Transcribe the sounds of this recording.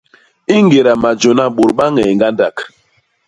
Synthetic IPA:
i˦ŋɡe˨ɾa˨ma˨d͡ʒo˨na˦ɓo˨ɾɓa˦ŋɛ˨ŋɡa˦nda˨k

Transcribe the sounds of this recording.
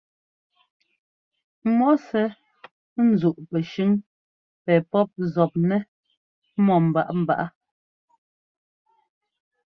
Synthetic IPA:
mɔ˦sɛ˦ | n̩˨zu˨ʔpɛ˨ʃʉ˦ŋ | pɛː˨pɔ˦p̚zɔ˨p̚nɛ˦ | mɔ˨m̩˨ba˦˨ʔm̩˨ba̰˨ʔa˦

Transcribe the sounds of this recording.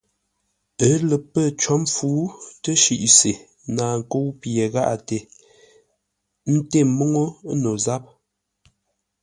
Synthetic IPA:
ə˦lə˨pə˦˨t͡ʃɔ˦mfuː˨˦tə˦ʃi˨ʔse˨ | naː˨ŋ̩˨ko˦wpje˨ɣa̰˦ʔa˨te˨ | n̩˦te˦˨mo˦ŋo˦no˨za˦p̚

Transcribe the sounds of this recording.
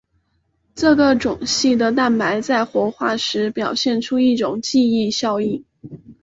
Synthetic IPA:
ʈ͡ʂɤ˥˩ɡə˩ʈ͡ʂʊ˨˩ŋɕi˥˩d̪ə˩t̪a˥˩npa˧˥ɪt͡sa˥˩ɪxwɔ˧˥xwa˥˩ʂɻ̩˧˥pjɑ˨˩ʊɕjɛ˥˩˧nʈ͡ʂʰu˥i˥˩ʈ͡ʂʊ˨˩ŋt͡ɕi˥˧i˥˧ɕjɑ˥˧ʊi˥˩

